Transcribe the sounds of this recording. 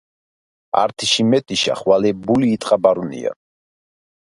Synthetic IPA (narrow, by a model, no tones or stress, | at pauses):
a̰ɾt̪ʰiʃimɛt̪ʼiʃa̰χwalɛbuliːt̪ʼqʼabaɾunḭja̰